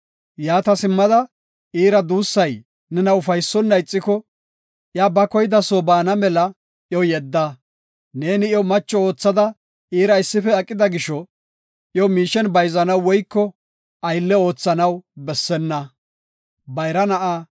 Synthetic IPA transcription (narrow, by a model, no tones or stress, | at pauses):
jaːt̪ɐsɪmːɐd̪ɐ | ʔiːɾɐd̪uːsːɐj | nɛnɐʊfɐjsːɔnːɐɪt͡sʼːɪkɔ | ʔjabɐkɔjd̪ɐsobaːnɐmɛlɐ | ʔjɔwjɛd̪ːa | ne̞ːnɪjɔwmɐt͡ʃːɔo̞ːt͡sːɐd̪ɐ | ʔiːɾɐɪsːɪfɛɐkʼːɪd̪ɐɡɪʃɔ | ʔjɔwmiːʃɛnbɐjzɐnɐwːɔjkːɔ | ʔɐjlːɛo̞ːt͡sːɐnɐwbɛsːɛnːɐ | bɐjɾɐnɐʔaː